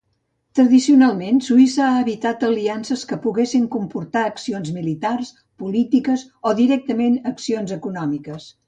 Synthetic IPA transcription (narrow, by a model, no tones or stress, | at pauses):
t̪ɾəðisiunalˠmensuisəːəβit̪at̪əliansəskəpuɣesiŋkumpuɾt̪aəksionzmilit̪ars | pulit̪ikəzoðiɾɛk̚t̪əmenəksionzəkunɔmikəs